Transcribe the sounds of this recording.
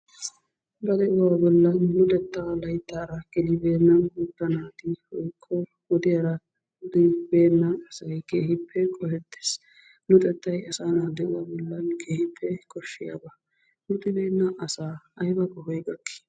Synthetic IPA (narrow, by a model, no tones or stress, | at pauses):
bɐd̪ɛʔʊwaːbɔlːɐnːʊt̪ʼɛt̪ːalɐjt̪ːaːɾɐɡɛlɪbe̞ːnːɐnhʊd̪ɐnaːt̪ɪwɔjkʰːɔ | wɔd̪ɪjɐɾɐ | ʊd̪ɪbe̞ːnːɐːsɐjkeːhɪpːɛkʼɔhɛt̪ːe̥ːs | nʊt̪ʼɛt̪ːɐjɐsaːnad̪ɛʔʊwaːbɔlːɐnkʰeːhɪpʰːɛkʼɔʃːɪja̰bɐ | nʊt̪ɪbe̞ːnːɐʔɐsaːɐjbɐkʼɔhɔjɡɐkːɪ̥